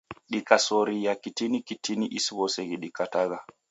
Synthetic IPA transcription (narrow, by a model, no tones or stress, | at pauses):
ɗikasoɾijakitinikitiniʔisbɔseɡiɗikataɡa